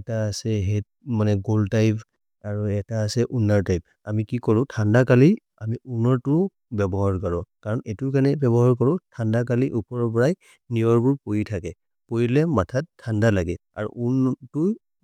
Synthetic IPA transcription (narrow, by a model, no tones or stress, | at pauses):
ɛtaːsɛɦɛt̚manɛɡoltajp | aɹuɛtaːsɛʔunaɹtajp̚ | amikikɔɹʊ̃tʰandakali | amiunɔɹtʊ | bɛbɔɦaɹkɔɹɔkaɹɔnetuɹkanɛbɛbɔɦaɹkɔɹʊ̃tʰandakaliʔupɔɹɔpɔɹaj | niɔɹbuɹpojitʰakɛ | pojilɛmatʰatʰːandalaɡɛa̰ɹṵʔuntu